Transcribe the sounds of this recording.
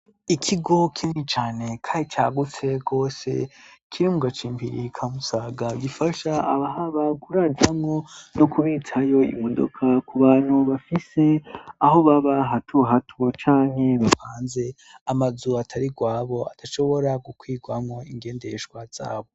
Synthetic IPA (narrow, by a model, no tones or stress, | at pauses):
ikʰiɡo̞kʰinit͡ʃaːne̞kʰait͡ʃaɡut͡se̞ɡo̞ːse̞̰kʰiɾimuɡat͡ʃiːmpʰiɾikʰamusaːɡaɡifaʃaaβaɦaβaɡuɾad͡ʒamŋo̞nokuβitʰajo̞ḭmo̞do̰kʰakuβaːn̥huβafise̞aho̞βaβaɦatʰuɦatʰuot͡ʃaːŋ̥he̞βahaːnze̞ | amazuatʰaɾiɡwaːβo̞a̰tʰaʃo̞βo̞ɾaɡukwiːɡwamŋo̞iŋɡe̞ːnde̞ʃɡwaz̥a̰ːβo̞